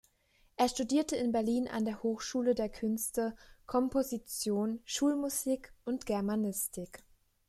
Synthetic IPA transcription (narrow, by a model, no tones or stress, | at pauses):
ʔeːɐʃtudiːɐtəɪnbɛɐliːnʔa̰ndeːɐhoːxʃuːlədeːɐkʰʏnstəkʰɔmpʰozit͡sjoːnʃuːlmuziːkʔʊntɡ̥ɛɐmanɪstʰɪk